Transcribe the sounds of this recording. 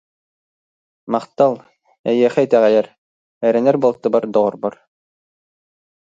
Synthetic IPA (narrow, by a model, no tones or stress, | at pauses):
mɑχt̪ɑlˠ | ɛjɛχɛt̪æʁæjæɾ | ɛɾɛ̆nɛɾbolˠt̪ːɯ̆bɑɾd̪ɔʁɔɾbɔɾ